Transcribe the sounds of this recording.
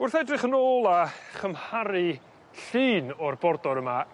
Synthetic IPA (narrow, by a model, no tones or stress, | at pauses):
ʊrθɛdrɪχənoːlˠaχəmhaɾɨ | ɬɨːnɔrbɔrdɔɾəma